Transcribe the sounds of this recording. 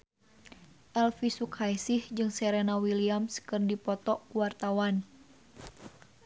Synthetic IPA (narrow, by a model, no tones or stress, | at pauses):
ʔɛlfisukhajsihd͡ʒɨŋsɛɾɛnawiliamskɨrndipɔt̪ɔʔkuwart̪awan